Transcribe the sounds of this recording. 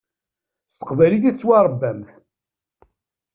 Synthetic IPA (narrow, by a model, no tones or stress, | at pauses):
st̪ə̥qvæliθæt͡sːwɑɾˤbːæmθ